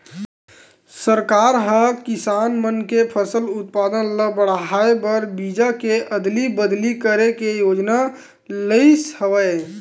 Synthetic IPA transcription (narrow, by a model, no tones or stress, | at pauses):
səɾkaːɾɦəkɪsaːnmənkepʰəsəlʊt̪̚paːd̪ənləbəɽɦaebəɾbid͡ʒakeʔəd̪libəd̪likəɾekejoːd͡ʒna | ləɪshəʋəe